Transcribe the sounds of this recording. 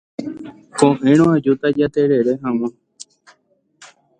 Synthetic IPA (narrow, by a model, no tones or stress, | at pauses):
kõʔẽõad͡ʒut̪ad͡ʒat̪eɾeɾeɦãw̃ã